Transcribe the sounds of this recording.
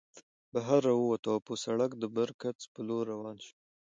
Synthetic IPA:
baɦaɾːawəwat̪aposaɽakd̪əbəɾkat͡spəloɾawɑnʃu̥

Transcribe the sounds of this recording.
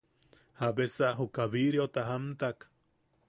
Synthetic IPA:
habesaʔɦukaβiɾiot̪aɦamt̪ak

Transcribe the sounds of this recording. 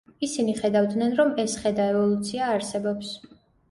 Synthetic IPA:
isiniχɛd̪avd̪nɛnɾɔmɛsχɛd̪aɛvɔlˠut̪sʰiaːɾsɛbɔps

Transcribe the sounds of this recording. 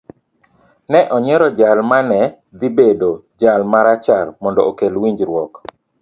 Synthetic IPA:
nɛʔɔɲɛɾɔd͡ʒalmanɛ | d̪ibedo | d͡ʒalmaɾat͡ʃalmɔndɔokelwiɲd͡ʒɾwɔk

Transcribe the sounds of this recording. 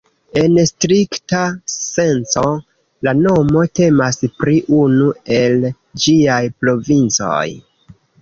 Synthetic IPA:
e̞nstɾiktase̞nt͡so̞ | lano̞mo̞te̞maspɾiʔunue̞l | d͡ʒiajpɾo̞vint͡so̰j

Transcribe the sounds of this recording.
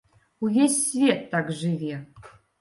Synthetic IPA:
ujʲesʲsvʲet̪ʰːakʐɨvʲi

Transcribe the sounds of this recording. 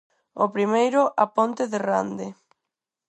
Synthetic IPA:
opɾimejɾʊʔapont̪ɪðera̰nd̪ɪ

